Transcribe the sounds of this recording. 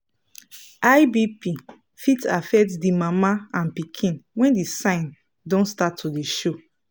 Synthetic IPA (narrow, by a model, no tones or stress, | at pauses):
ajbipi | fitafɛk̚tsdimamaãnpikʰĩnwɛ̃ndisãɪ̃n | dɔ̃nstatʰːudiʃo